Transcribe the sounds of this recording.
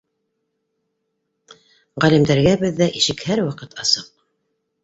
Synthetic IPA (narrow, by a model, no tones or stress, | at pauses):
ʁælimd̪æɾɡæbɘðːæʔiʃɘkhæɾwɑqɤt̪ɑsɤq̚